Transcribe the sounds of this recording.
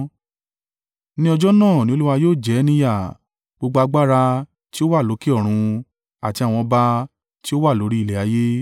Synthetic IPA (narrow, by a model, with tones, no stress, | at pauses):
nĩ˦ɔ˧d͡ʒɔ˦nãː˦˨nĩ˨˦o˧˦u˦wa˧joː˦˨d͡ʒɛ˨˦nĩ˧˦ja˦˨ | ɡ͡bo˧ɡ͡bo˧a˧ɡ͡ba˦ɾa˧ | ti˦o˦wa˦˨lo˨˦ki˦ɔ˦˨ɾ̃ũ˧ | a˨ti˧a˨w̃ɔ̃˧ba˧ | ti˦o˦wa˦˨lo˨˦ɾi˦i˦˨lɛ˨a˨˧˦je˦